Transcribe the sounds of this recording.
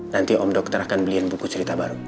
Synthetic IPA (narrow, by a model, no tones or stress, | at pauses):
nant̪iʔɔmdɔk̚t̪əɾakanbəlianbukut͡ʃəɾit̪abaɾu